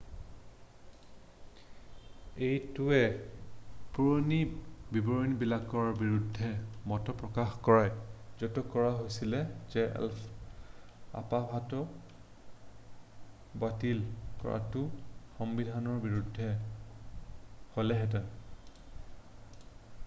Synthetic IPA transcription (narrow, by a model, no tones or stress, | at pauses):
ejtuɛ | puɹonibibɔɹinbilakɔɹbiɹudʱːɛmɔtɔpɹɔkaxkɔɹajzɔtɔkɔɹaɦojsilɛzɛɛ̰lf | a̰pabʱatɔ | batilkɔ̰ɹa̰tʊxɔmbidʱanɔɹbiɹudʱːɛ | hɔlɛɦɛt̬ɛn